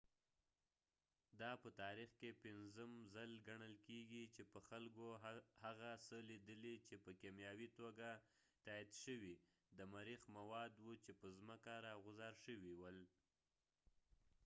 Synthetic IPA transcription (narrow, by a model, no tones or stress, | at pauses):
d̪ɑpət̪ɑɾixkepɪnzəmzəlɡaɳəlkeɡit͡ʃepəxalkohaɣasəlid̪əlit͡ʃepəkemjɑwit̪oɡa | t̪aid̪ʃəwi | d̪əmaɾixmawɑd̪wut͡ʃepəzməkaɾɑɣʊzɑɾʃəwiwəl